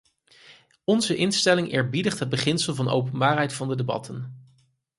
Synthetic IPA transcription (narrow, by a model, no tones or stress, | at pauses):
ɔnzəʔɪnstɛlɪŋʔɪ̰ːɹbidəχtɦəd̚bəχɪnsəlˠvɑno̰wpənbaːɹɦɛjtfɑndədebɑ̰tʰən